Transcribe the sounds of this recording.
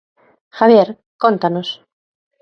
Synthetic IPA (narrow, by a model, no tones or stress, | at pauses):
xaβjeɾ | kont̪anos